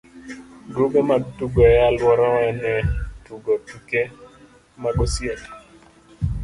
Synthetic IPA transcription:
ɡuɡɔmatuɡɔɛalwɔɾɔnɛtuɡɔtike | maɡɔsjɛt

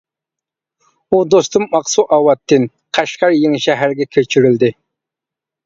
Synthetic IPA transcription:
ud̪ost̪umːɑqsuʔɑwɑt̪ʰːɪn | qʰæʃqɑɾjeŋʃɛɦæɾɡʲɛkʲʰøt͡ʃʰyɾyld̪ɪ

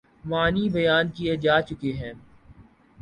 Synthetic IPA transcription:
maːniːbɐjaːnkied͡ʒaːt͡ʃʊkeɦɛ̃ː

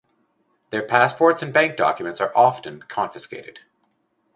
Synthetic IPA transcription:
ðə˞pʰæspʰɔɹtsɨ̃nbæ̃ŋk̚d̥ɑ̰kjɨmɨ̃ntsə˞ʔɑfɨ̃nkʰɑ̃nfɨskḛɪɾɨ̰d̥

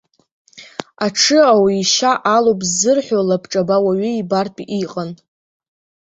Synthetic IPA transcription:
aʈ͡ʂʰɨawiiʃaʔalopʼzːɨrħʷᶣolapʰʈ͡ʂʼabawaɥʏibarpʼiʔiqʼan

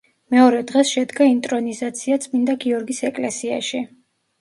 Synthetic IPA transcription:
mɛɔɾɛd̪ʁɛsʃɛd̪ɡaint̪ʼɾɔnizat̪sʰiat̪sʼmind̪aɡiɔɾɡisɛkʼlɛsia̰ʃi

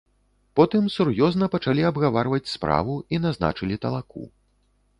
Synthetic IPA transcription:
pɔt̪ɨmsurjɔznɐpɐt͡ʂalʲiabɣavarvɐt͡sʲspɾa̰vuinazna̰t͡ʂɨlʲit̪ɐlˠakṵ

